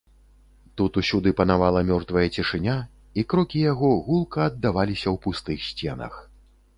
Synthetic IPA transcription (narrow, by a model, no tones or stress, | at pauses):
t̪ut̪usʲud̪ɨpɐnavalˠɐmʲɔrt̪vɐjɐt͡sʲiʂɨnʲa | ikɾɔkʲijaɣɔɣulˠkɐːd̪ːavalʲisʲɐwpust̪ɨxsʲt͡sʲɛnɐ̰x